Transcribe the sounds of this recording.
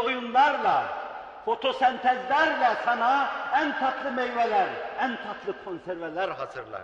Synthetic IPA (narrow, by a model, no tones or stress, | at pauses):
ojunlˠɑɾlˠɑ | fo̞t̪ʰo̞sɛnt̪ʰæzlæɾvɛsɑnɑænt̪ʰɑt̪ʰlˠɯmejvɛlæɾænt̪ʰɑt̪ʰlˠɯkʰonseɾvɛlæɾɑzɯɾlˠɑ̰